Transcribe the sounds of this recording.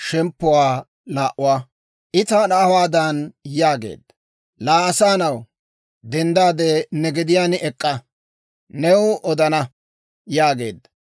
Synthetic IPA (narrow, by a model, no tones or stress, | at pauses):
ʃɛmpːʊwaː | laːʔʊwaː | ʔɪt̪anawaːd̪anjaːɡe̞̰ːd̪ːɐ | laːɐsaːnɐw | d̪ɛnd̪aːd̪ɛnɛɡɛd̪ɪjaːnɪʔɛkʼːɐ | nɛwʊʔɔd̪ɐnɐ | jaːɡe̞̰ːd̪ːɐ